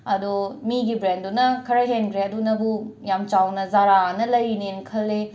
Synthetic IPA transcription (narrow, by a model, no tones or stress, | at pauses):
ɐdumiɡibɾendunɐkʰɐɾɐɦenkɾeɐdunɐbujamt͡ʃawnɐzaɾanɐlɐjnenkʰɐlːe